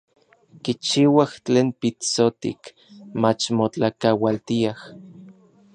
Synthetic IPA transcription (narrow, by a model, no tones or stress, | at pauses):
kit͡ʃiwaht͡ɬeːnpit͡sot̪ḭk | mat͡ʃmot͡ɬakawalt̪iah